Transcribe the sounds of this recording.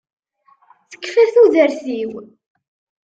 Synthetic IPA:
θə̥kːfæθuðəɾθiw

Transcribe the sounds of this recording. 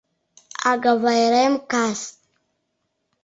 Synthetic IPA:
a̰ɡavajɾemkas

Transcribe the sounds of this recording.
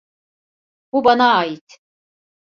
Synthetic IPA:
bubanaːjit̪ʰ

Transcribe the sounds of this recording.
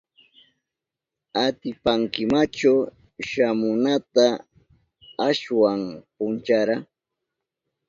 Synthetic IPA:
at̪ɪpaŋkɪmat͡ʃaw | ʃamʊnat̪a | aʃwampʊnt͡ʃaɾa

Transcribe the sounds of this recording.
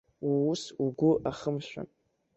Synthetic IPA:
wuusuɡʷʊʔaχəmʃʷᶣa̰

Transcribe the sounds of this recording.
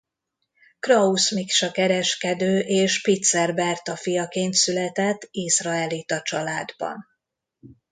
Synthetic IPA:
krɒusmikʃɒkɛɾɛʃkɛd̪øːʔeːʃpit̪sɛrbɛrt̪ɒfijɒkeːnt̪sylɛt̪ɛt̪ːisrɒɛlit̪ɒt͡ʃɒlaːd̪bɒ̰n

